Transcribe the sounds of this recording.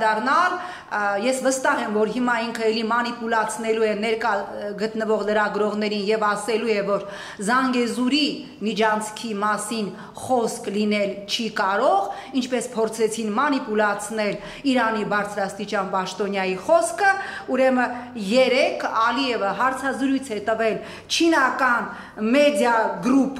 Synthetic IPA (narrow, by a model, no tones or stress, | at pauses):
d̪ɑrnɑl | jɛsvəst̪ɑɦɛmvɔɾɦimɑiŋkʰəɛlimɑnipulɑt͡sʰnɛluɛnɛɾkɑɡət̪nəvɔʁləɾɑɡɾɔʁnɛɾinjɛvɑsɛlujɛvɔɾ | zɑŋɡɛzuɾi | mid͡ʒʰɑnt͡sʰkʰimɑsin | χɔsklinɛlt͡ʃʰikɑɾɔʁ | int͡ʃʰpɛspʰɔɾt͡sʰɛt͡sʰinmɑnipulɑt͡sʰnɛl | iɾɑnibɑɾt͡sʰɾɑst̪it͡ʃjɑnpɑʃt̪ɔnjɑjiχɔskʰəuɾɛməjɛɾɛkʰɑliɛvəɦɑɾt͡sʰɑzɾujt͡sʰɛt̪əvɛl | t͡ʃʰinɑkɑn | mɛd̪jɑɡɾup